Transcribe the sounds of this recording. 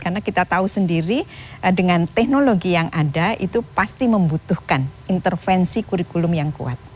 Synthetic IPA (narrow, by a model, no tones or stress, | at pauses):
karnakit̪at̪ausəndiɾidəŋant̪ɛhnoloɡijaŋʔadaʔit̪upast̪iməmbut̪uhkanint̪ərfɛnsikuɾikulʊmjaŋkṵa̰t̪̚